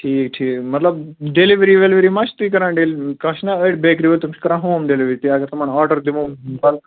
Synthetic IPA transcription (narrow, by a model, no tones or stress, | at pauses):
ʈʰiːkʈʰiːkmɐt̪lɐbɖeliʋɾiːʋelʋəɾimaʃt̪uik̬ɐɾãːɳɖelkɐʃnaəʈbeːkɾiʋəlt̪umt͡ʃkɐɾãɦoːmɖeliʋɾit̪iaɡɐɾt̪ɐmɐɳaːɾɖəɾd̪iʋõːbɐl